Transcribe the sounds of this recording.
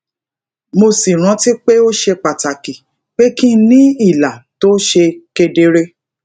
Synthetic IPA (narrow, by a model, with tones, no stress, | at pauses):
mo˧si˨ɾ̃ã˨˦ti˦k͡pe˦o˦ʃe˧k͡pa˨ta˨ki˨ | k͡pe˦kĩ˦nĩ˦i˦˨la˨to˦ʃe˧ke˧de˧ɾe˦